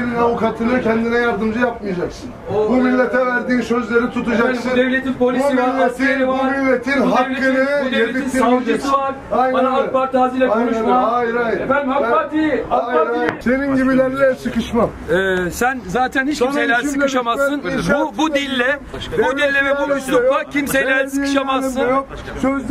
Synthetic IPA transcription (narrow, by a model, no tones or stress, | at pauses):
eninavukʰat̪ʰɯnɯcʰɛnd̪inɛjaɾd̪ɯmd͡ʒɯjap̚mɯjad͡ʒaksɯnbumilʲːet̪ʰɛvæɾd̪iːnsø̞zlʲe̞ɾit̪ʰut̪ʰud͡ʒaɯd̪evlʲet̪ʰinpʰo̞lʲisimalːesʰieivɾmilʲːet̪ʰinɦaevlʲeɯeeinad͡ʒɯsɯvaɾ | ajanaabaɾt̪ʰaːzilʲaaaajɾajɾbaat̪iaaiseninɟibilʲeɾlʲɛsɯkɯʃmamɛːsænzaːt̪ʰæniʃʃejlʲæɾsɯkɯʃamazɯnbubud̪ilʲːɛbud̪ilʲːɛvɛbuust̪umacʰimsejlʲæsɯkɯ̥ʃamazːɯnn | søz